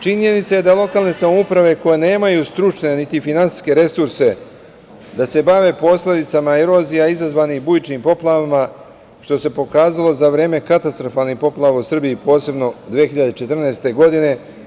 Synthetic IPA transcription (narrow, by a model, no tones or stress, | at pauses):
t͡ʃiɲe̞nit̪saje̞d̪alˠo̞kaːlˠne̞samoupɾaʋe̞ko̞jene̞ːmajuːst̪ɾut͡ʂne̞nit̪ifinansi̥ske̞ɾe̞suɾse̞ | d̪ase̞baʋe̞po̞sle̞d̪it̪samaeɾo̞zijaizazʋaːnixbujit͡ʃniːmpo̞plˠaʋama | ʃt̪o̞se̞po̞kaːzalˠo̞zaʋɾe̞ːme̞kat̪ast̪ɾo̞faːlˠnixpo̞plˠaʋausr̩biipo̞ːse̞bno̞d̪ʋiexiʎad̪e̞t͡ʃet̪r̩naest̪e̞ɡo̞d̪ine̞